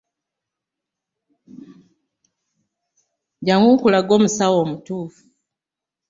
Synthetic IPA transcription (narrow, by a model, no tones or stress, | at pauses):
ɟaŋɡukulaɡo̞ːmusawo̞ːmutuːfu̥